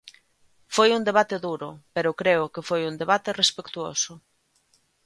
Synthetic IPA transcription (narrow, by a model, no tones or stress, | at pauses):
fojund̪eβat̪eðuɾʊpeɾʊkɾeʊkefojund̪eβ̞at̪ɪrespekt̪uo̰sʊ